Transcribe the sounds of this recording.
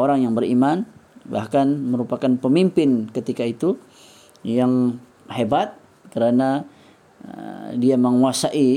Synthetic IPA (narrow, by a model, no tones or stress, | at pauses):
oɾaŋjaŋbəɾḭmanba̰hkanməɾupakanpəmimpɪnkət̪ikait̪u | jaŋ | hebat̪̚ | kəɾana | diaməŋuasaʔi